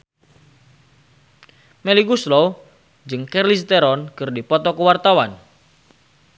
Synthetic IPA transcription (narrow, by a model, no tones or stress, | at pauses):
meliɡuslo | d͡ʒɨŋkɛrlis̬t̪eɾɔnkɨrdipɔt̪ɔkəwart̪awan